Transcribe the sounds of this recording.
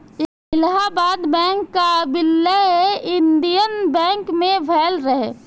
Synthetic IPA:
ɪlɦabaːd̪bɛ̃ːŋkːabɪlːeeɪ̃nd̪ijənbɛ̃ːŋkmẽʋʱɛːlɾəɦe

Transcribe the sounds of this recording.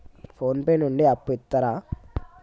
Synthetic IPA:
pʰoːnpeːnuɳɖiɐpːuit̪ːɐɾaː

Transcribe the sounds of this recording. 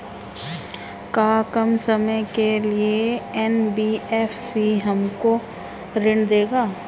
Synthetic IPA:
kaːkəmsɐməjkelieɛnbiːɛːfʰsiɦɐmko | ɾɪɳd̪eːɡaː

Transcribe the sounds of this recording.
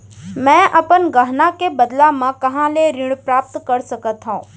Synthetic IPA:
mɛ̃ːʔɐpənɡəɦnakebɐd̪lamãkɐɦãleɾɪɽ̃pɾaːp̚t̪kəɾsɐkət̪ɦãː

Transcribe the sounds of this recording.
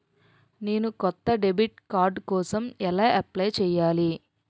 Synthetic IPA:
neːnukɔt̪ːɐɖebiʈkaːɾɖkɔːsɐmɛlaːʔɐplɐjt͡ʃɛːjːaːli

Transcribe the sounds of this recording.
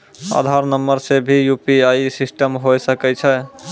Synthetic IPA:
a̰d̪ʱaɾnəmːəɾsebʱijupiajsisʈəmɦojsəkɛt͡ʃʰɛ

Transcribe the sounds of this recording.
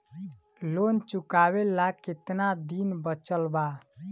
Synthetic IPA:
lont͡ʃukaβelaket̪nad̪inbət͡ʃəlba

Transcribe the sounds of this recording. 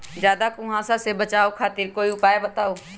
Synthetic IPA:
d͡ʒjaːd̪akʊɦãsasebɐt͡ʃaːokʰaːt̪ɪɾkoːiʊpaːebɐt̪aːo

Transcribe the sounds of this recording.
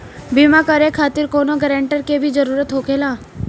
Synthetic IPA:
biːmakəɾekʰaːt̪ɪɾkoːnoɡəɾɛ̃ːɳʈəɾkebʱid͡ʒəɾuːɾət̪ɦokelaː

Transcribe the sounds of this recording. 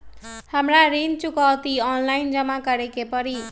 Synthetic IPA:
hamraɾint͡ʃukʌwt̪iʌnlajnd͡zʌmakʌɾekepʌɾi

